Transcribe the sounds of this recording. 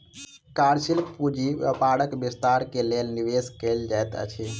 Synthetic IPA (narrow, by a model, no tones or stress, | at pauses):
kaɾsilpud͡ʒiəpaɽəkbist̪aɾkelelniʋeskeld͡ʒajt̪ə̰t͡ʃʰi